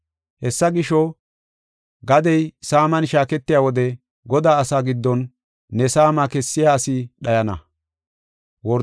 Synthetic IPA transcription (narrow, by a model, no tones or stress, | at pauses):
hɛsːɐɡɪʃɔ | ɡɐd̪ɛjsaːmɐnʃaːkɛt̪ːɪjaːwɔd̪ɛ | ɡɔd̪aːɐsaːɡɪd̪ːɔnː | ɛsaːmakɛsːɪjaːsɪɗɐjɐnɐ̰ | wɔɾ